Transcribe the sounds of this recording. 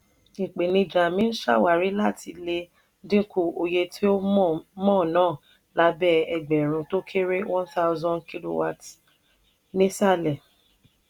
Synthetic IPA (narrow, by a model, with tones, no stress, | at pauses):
i˨k͡pe˨nĩ˧d͡ʒa˨mĩ˦n̩˦ʃa̰˦˨wa˨ɾi˨˦la˦˨tʰi˧le˧ | dĩ˦ku˦˧o˧je˧tʰi˦o˦˨mɔ̃˦˨nãː˦˨ | la˨˦bɛ˦ɛ˧ɡ͡bɛ˨ɾ̃ũ˧to˦kʰe˦ɾe˦wɔ̃˦nθa˦ʊ˦zɔ̃˦nkʰi˦lo̰˨wa̰˨ts | nĩ˦sa˦˨lɛ˨